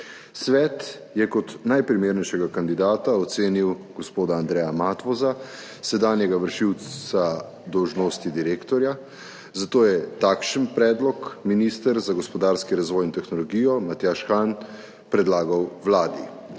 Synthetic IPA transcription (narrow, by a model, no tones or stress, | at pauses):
sʋɛːt̪ | jɛkɔt̪najpɾimeːɾnɛjʃɛɡakand̪id̪aːt̪aɔt̪seːniwɡɔspoːd̪aːnd̪ɾɛjamat̪ʋɔza | sɛd̪aːnjɛɡaʋəɾʃiwsa | d̪ɔwʒnoːst̪id̪iɾeːkt̪ɔɾja | zat̪oːjɛt̪akʃənpɾɛːd̪lɔkminist̪əɾzaɡɔspɔd̪aːɾskiɾazʋɔːjint̪ɛxnɔlɔɡiːjɔmat̪jaʃxan | pɾɛd̪laːɡawʋlaːd̪i